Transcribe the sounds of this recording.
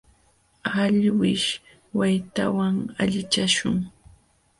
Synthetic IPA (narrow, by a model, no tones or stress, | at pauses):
aʎwɪʃ | wajt̪a̰waŋaʎɪt͡ʃaʃʊ̰ŋ